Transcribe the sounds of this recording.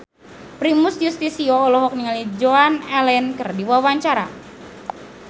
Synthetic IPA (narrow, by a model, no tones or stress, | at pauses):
pɾimʊsjust̪isiɔːlɔɦɔk̚niŋalid͡ʒoanɛlɛnkərdiwawaɲt͡ʃaɾa̰